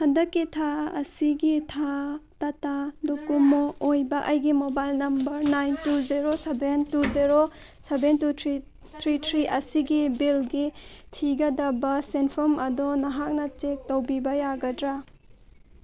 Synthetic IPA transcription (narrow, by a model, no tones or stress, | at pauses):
hɐndɐkːitʰaɐ̰siɡitʰatɐtadokumoojbɐʔɐjɡimobajlnɐmbɐɾnajntuziɾosebentuzeɾo | sebentutʰɾi | t̪ʰɾitʰɾiʔɐsiɡibilɡitʰiɡɐdɐbɐsenpʰɔmɐdɔnɐɦak̚nɐt͡ʃek̚towbibɐjaɡɐdɾa